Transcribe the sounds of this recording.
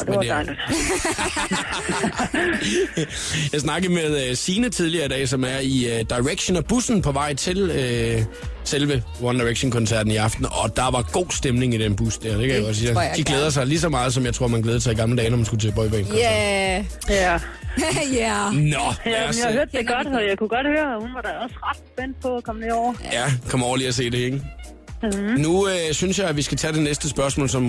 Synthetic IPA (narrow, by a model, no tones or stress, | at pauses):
d̥eeɑn | jɑ̈ɪs̬nɑ̈ɡ̥əð̩ˠmeðˠøsiːnət͡sʰiðˠliɐid̥ɛ̰ːsɒ̽mæɐiød̥ɑ̈ɪʁeɡ̥ɕən̩ɒb̥usn̩pʰɒ̽ʋɑ̈ɪ̰t͡sʰe̝lø | selʋə | wɒnd̥ɑ̈ɪʁeɡ̥ɕonkʰɔ̽nsæɐ̰d̥n̩iɑ̈fd̥n̩ɒ̽d̥ɑ̈ʋɑ̈ɡ̥o̝̰ːsd̥emne̝ŋid̥enb̥usd̥æɐd̥ekʰæjaɡɒ̽siɐd̥iɡ̥leːð̞ˠɐs̬ɑ̈ɪlis̬ɒmɑ̈ːð̩ˠsɒ̽mjɪt͡sʰʁo̝ɐ̰mænɡleːð̞ˠəsɑɪiɡ̥ɑ̈mlədɛːnɒmænsɡ̥ut͡sʰeːb̥ɒɪbʰɛ̰nkʰɒ | jæ | ænɒjjahahøɐ̰d̥ːeɡ̥ɒd̥ɒjɑ̈ɪkʰuɡ̥ɒ̽d̥høːɐhunʋɑ̈ɾ̥aɒsʁad̥sb̥en̰d̥̚pʰɒːkʰɒmneɒʊ̰ɐjækʰɒ̽mɒʊɐliːɐs̬e̝̰ːd̥e̝eŋ | nuøsynsjɑ̈ɪæʋisɡ̥æt͡sʰɛːd̥e̝nesd̥əsb̥ɶɐsmɔ̰ːlsɒ̽m